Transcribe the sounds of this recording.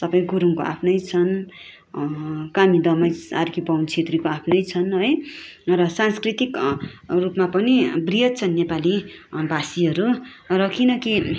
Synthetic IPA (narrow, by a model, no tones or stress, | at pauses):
t̪ʌpʌj̃ɡuɾuŋkoa̰pʰnʌjt͡sʰʌn | kamid̪ʌmʌjaɾkibʌwnt͡sʰet̪rikoapʰnʌjt͡sʰʌnɦʌjrʌsanskrit̪ikrupmapʌnibrijʌt̪̚t͡sʰʌnːepalibasiɦʌɾurʌkʰinʌki